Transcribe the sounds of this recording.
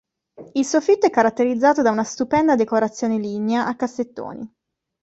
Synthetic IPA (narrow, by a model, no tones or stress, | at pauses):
ilsofit̪ːoɛkːaɾat̪ːeɾid̪zːaːt̪od̪aunast̪upɛnd̪ad̪ekoɾat̪sːjoːnelineaʔakːasːet̪ːo̰ːnḭ